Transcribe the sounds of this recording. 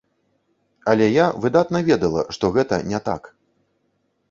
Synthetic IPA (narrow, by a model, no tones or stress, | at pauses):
ɐlʲɛjavɨd̪at̪nɐvʲɛd̪ɐlˠɐ̰ʂt̪ɔɣɛt̪ɐ̰nʲɛt̪a̰k